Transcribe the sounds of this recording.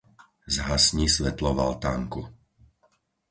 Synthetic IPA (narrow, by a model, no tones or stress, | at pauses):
zɦasɲisʋɛt̪lɔʋa̰lt̪aŋku